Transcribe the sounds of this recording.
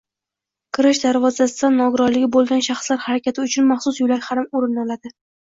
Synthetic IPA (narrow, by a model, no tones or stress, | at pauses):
kʰɪɾɪʃd̪aɾvɒzasɪd̪anːɒɡʊɾɒɾlɪɡʲɪbolˠɡʲanʃaχslaɾhaɾakʲʰat̪ʰɪʊt͡ʃʰʊnmaχsʊsjʊlaɾhaɾɪmoɾɪnɒlad̪ɪ